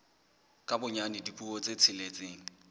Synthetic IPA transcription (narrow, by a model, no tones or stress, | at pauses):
kʼabʊɲanɪdipʼuɔt͡sʼet͡sʰɪlet͡sʼeːŋ̩